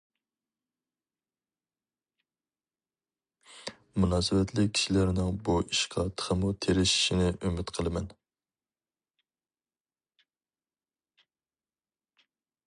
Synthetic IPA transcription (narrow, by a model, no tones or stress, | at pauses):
munɑːsɨwɛt̪ʰlɪk̚ʲʰi̥ʃilæɾnɪŋbuʔiʃqʰɑt̪ʰə̥ʁʰəmut̪ʰeɾɪʃi̥ʃinɪʔymɪt̪qʰəlˠɨmɛn